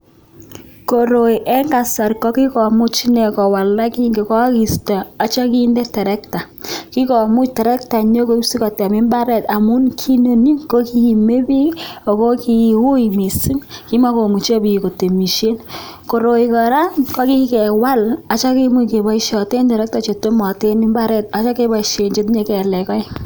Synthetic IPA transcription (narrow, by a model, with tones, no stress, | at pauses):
ko˨ɾo˨i˨ʔɛ˦ŋɡa˨sa˨ɾkɔ˦ki˦kɔ˨mu˦t͡ʃi˦ne˨kɔ˨wa˨la˦ki˦ŋɡe˨kɔ˦ki˨sta˨a˨t͡ʃa˦ki˦nde˦tɛ˨ɾɛ˦k̚ta˨ | ki˦kɔ˨mu˦t͡ʃte˨ɾɛ˦k̚ta˨ɲo˦ko˦si˦ka˨tɛ˨mɪ˦mba˦ɾɛ˨ta˨mu˦nkʰi˦no˨ni˦ŋko˦ki˦˨me˦bi˦o˨ko˦ki˨u˦jmi˨si˦mki˦ma˦ko˨mu˨t͡ʃe˦bi˨ko˨te˨mi˨ʃe˦nko˨ɾo˨ikɔ˨ɾa˦nkɔ˦ki˦kɛ˨wa˦la˨t͡ʃa˦ki˦mu˦ke˨ba˨iʃɔ˨te˦ntɛ˨ɾɛ˦k̚ta˨t͡ʃe˨to˦mɔ˨te˦nmɪ˦mba˦ɾɛ˦ta˨t͡ʃa˦ke˦ba˨iʃe˨ɲd͡ʒe˦tɲe˦kɛ˨lɛ˨kɔ˦ɪ˦